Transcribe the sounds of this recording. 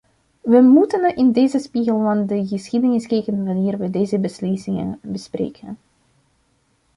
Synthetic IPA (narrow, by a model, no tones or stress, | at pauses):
ʋəmutənɪndeːzəspiɣəlˠvɑndəɣəsxidənɪskekənʋaniːrʋədeːjzəbəslisɪŋə̰nbəsprḛːkʰə̰n